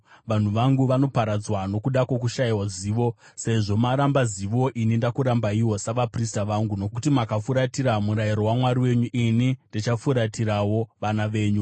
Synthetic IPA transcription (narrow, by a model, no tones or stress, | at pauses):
ʋan̤uʋaŋɡuʋano̞paɾad͡zwano̞kuɗakwo̞k̬uʃaiwaziːʋo̞ | se̞ʐo̞maɾambaziʋo̞ʔinindakuɾambaiwo̞saʋapris̬taʋaŋɡuno̞kutimakafuɾatiɾamuɾaiɾo̞wamwaɾiwe̞ɲuʔinindit͡ʃafuɾatiɾawo̞ʋanaʋe̞ːɲu